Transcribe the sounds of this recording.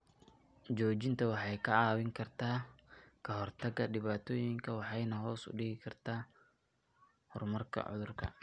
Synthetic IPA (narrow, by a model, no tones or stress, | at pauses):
d͡ʒɔːt͡ʃɪnt̪ʰɐwɑħɑjkʰɐaːwɪŋkʰɐrt̪ʰaːkʰɐɦɔrt̪ʰɐɡɐɖɪβaːt̪ʰɔːjɪŋkʰɐwɑħɑjnɐɦɔːsʊ̰ɖɪɡɪkʰɐrt̪ʰaː | hɔ̰rmɐrkʰɐ̰ʕʊ̰ðʊrkʰɐ̰